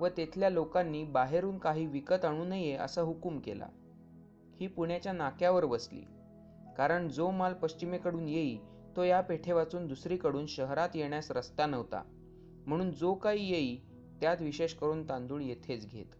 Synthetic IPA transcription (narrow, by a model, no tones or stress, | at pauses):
ʋət̪et̪ʰljalokanːiːbaɦeɾuːnkaɦiːʋikət̪aɽ̃uːnəjeə̰saɦukumkḛla̰ | hiːpuɳjat͡ɕjanakjaʋəɾʋəslḭː | kaɾəɳd͡zomalpəɕt͡ɕimekəɽuːnjeiː | t̪ojapeʈʰeʋat͡suːnd̪usɾiːkəɽuːnɕəɦɾat̪jeɳjasɾəst̪anəʋt̪a̰ | m̤əɽ̃uːnd͡zokaɦiːjeiː | t̪jat̪ʋiɕeɕkəɾuːnt̪ãnd̪uːɳjet̪ʰet͡sɡʱḛt̪